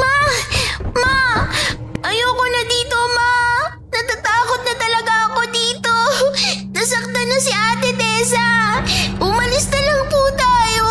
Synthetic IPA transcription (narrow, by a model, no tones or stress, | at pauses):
ma | ma | ʔɐjokonɐd̪iːt̪o̞ma | nɐt̪at̪aːko̞t̪̚nɐt̪ɐlɐɡaʔɐko̞d̪iːt̪onɐsɐk̚t̪ɐnːɐsɪʔaːt̪ɛd̪ɛːsɐ | hʊmɐlɪsnɐlɐŋput̪aːjo